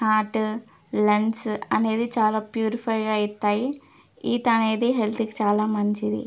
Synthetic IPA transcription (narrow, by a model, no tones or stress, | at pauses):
haːʈ | lɛnsɐneːðit͡ʃaːlaːpjuːɾɪfɐɪɡaːɪt̪ːaːji | iːt̪aːneðeːɦɛlt̪ɯkːit͡ʃaːlaːmɐɲt͡ʃiðḭ